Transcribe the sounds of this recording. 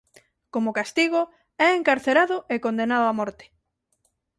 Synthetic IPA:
komokast̪iɣo | ɛeŋkaɾθeɾaðʊekond̪enaðoamɔɾt̪ɪ̥

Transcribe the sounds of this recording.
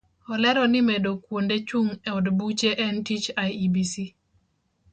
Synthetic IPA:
ɔlɛɾɔnɪmedokwondet͡ʃuŋɛɔdbut͡ʃeʔɛntit͡ʃajibisi

